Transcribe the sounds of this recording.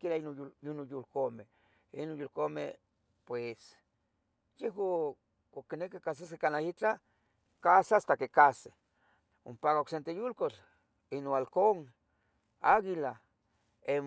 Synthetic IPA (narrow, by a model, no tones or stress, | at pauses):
kilainouinojulkome | inonjulkomḛ | pwes | jeɦwa | okːinekikas̬asekanait͡ɬa | kasaast̪akekase | ompakaoksent̪ejulkot͡ɬ | inoalkoŋ | aɣila | em